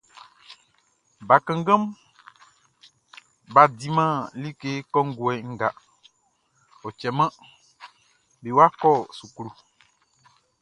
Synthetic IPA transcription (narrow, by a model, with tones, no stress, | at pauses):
ba˨kɛ̃˦ŋ˦ɡə̃˦m | ba˨d̪i˨mã˦li˦ke˦kɔ˦ŋ̩˦ɡo˨ɛ˨ŋ̩˦ɡa˨ | o˨t͡ʃɛ˨mã˦ | be˨wo˦a˦kɔ˦˨su˨klu˨